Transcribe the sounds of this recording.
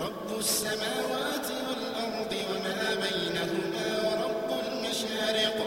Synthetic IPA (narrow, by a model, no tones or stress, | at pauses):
ɾˤɑbːʊsːamaːwaːt̪ɪwalʔɑɾˤd̪ˤɨwamaːbajnahʊmaːwɑɾˤɑbːʊlmaʃaːɾɪq